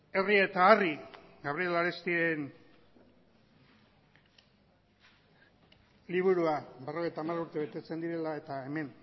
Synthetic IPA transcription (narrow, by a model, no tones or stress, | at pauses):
e̞rie̞t̪aːriɡaβɾiolaɾest̪iɾe̞n | liβ̞uɾuabe̞ro̞ɣe̞jt̪aːmaruɾt̪e̞βe̞t̪e̞t͡se̞nd̪iɾe̞lae̞t̪ae̞me̞n